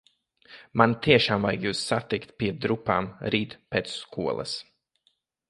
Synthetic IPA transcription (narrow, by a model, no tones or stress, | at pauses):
mant̪iɛʃaːmvajɡjuːsːat̪ikt̪̚pʲiɛd̪ɾupaːmɾiːt̪pɛːt̪sskʰuɔlˠʔɐ̰s